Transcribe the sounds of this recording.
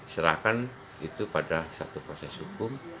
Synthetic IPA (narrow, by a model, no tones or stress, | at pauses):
səɾa̰kan | it̪upadasa̰t̪upɾosɛshukʊm